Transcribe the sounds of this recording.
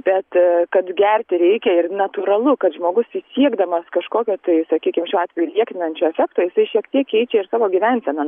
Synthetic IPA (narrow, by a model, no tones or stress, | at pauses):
b̥ʲɛt̪kɐt̪ɡʲærʲt̪ʲɪɾʲɛɪkʲɛɪrnɐt̪uɾɐlˠʊkɐt̪ʒmoːɡʊsisʲiɛɡd̪ɐmɐskɐʃkoːkʲoːt̪ɐɪsɐkʲiːkʲɪmʃʲuːɑːt̪ʲʋʲɛjulʲiɛkʲt̪ʲɪnɐnʲt͡ʃʲoːɛfʲækt̪oːjɪsɐɪʃʲiɛkt̪ʲiɛkɛɪt͡ʃʲɛɪɾsɑːʋoːɡʲiʋʲɛnʲsʲɛnɐ